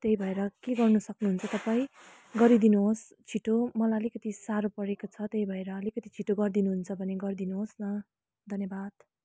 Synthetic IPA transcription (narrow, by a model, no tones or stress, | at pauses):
t̪eɦibʱʌeɾʌkeɡʌrnʌsʌknuɦunt͡sʰʌt̪ʌpaĩ | ɡʌɾid̪inuɦos | t͡sʰiʈomʌlaʌlikʌt̪isaɾopʌɾekot͡sʰʌt̪eibʱʌeɾʌːlikʌt̪it͡sʰiʈoɡʌrd̪inuɦunt͡sʰʌbʱʌneɡʌɾid̪inuɦosnʌ | d̪ʱʌnjʌbad̪̥